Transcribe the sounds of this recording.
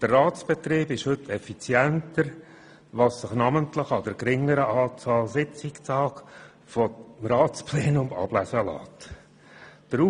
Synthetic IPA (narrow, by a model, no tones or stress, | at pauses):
d̪̥ərːɑːt͡sb̥ɛt̪riːbɪʃhɵtʰɛfit͡sjæntəɾ | ʋɑssɪχnɑmənt̪lɪχɑd̪əɾkɾɪŋəɾəʔɑːt͡sɑːlsɪt͡sɪktɑːk | fɔmɾɑːt͡splɛːnʊmɑ̰b̥læsəlɑ̰ːt | d̥əɾu